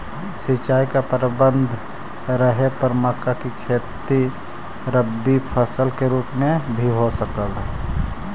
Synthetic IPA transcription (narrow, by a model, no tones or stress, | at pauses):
sit͡ʃaːikapəɾɪbə̃nd̪ʱ | ɾəɦepəɾməkakikʰeːt̪i | ɾəbːipʰəsəlkeɾuːpmẽbʱiɦosəkəlɦɛ